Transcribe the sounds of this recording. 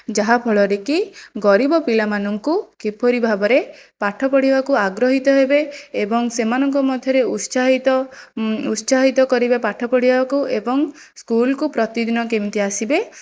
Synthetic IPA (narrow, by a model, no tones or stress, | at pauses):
d͡ʒaɦapʰɔɭɔɾekiɡɔɾibɔpilamanɔŋkukepɔɾibʱabɔɾepaʈʰɔpɔɽibakuaɡɾɔɦit̪ɔɦebeːbɔŋsemanɔŋkɔmɔd̪ʱjɔɾeusaɦit̪ɔ | usaɦit̪ɔkɔɾibepaʈʰɔpɔɽibakuebɔŋ | skulkupɾɔt̪id̪inɔkemt̪iasibe